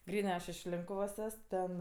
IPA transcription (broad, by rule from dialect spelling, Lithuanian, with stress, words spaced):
ˈɡrʲiːnɜ ˈɐʃ ɪʃ ˈlʲɪŋkʊʋoːs ˈɛs ˈtʲɛn